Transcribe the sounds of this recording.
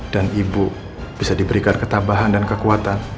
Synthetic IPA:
d̥anibu | b̥isadibəɾikankət̪abaɦandankəkuat̪an

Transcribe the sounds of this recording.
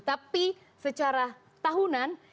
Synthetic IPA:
t̪api | sət͡ʃaɾa | t̪aɦunan

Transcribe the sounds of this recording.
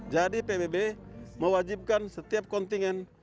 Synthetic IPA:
d͡ʒadipebebeməwad͡ʒip̚kansət̪iap̚kɔnt̪iŋɛn

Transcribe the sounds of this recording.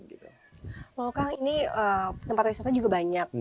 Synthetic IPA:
ɡit̪u | wakaŋiniət̪əmpat̪̚wisat̪ad͡ʒuɡabaɲak̚

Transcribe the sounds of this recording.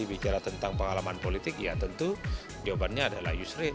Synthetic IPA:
ibit͡ʃaɾat̪ənt̪aŋpəŋalamanpolit̪ɪkjat̪ənt̪u | d͡ʒobanɲaːdala̰hjusɾɪ

